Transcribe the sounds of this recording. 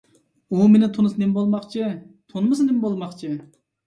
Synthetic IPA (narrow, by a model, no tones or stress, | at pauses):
umenɪt̪ʰonɨsnembolˠmɑχt͡ʃʰɨ | t̪ʰonmɨsɨnemɪbolˠmɑχt͡ʃʰɨ